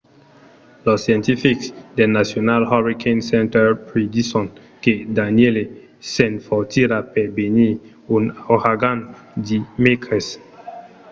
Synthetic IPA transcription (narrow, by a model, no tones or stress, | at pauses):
lɔsjɛ̃ntifiksdɛnasjonalhɔɹikʰẽnsɛ̃ntɛpɹedisɔ̃n | kedaniele | sɛ̃nfɔtiɾapɛbeni | unohaɡan | dimekʰɛs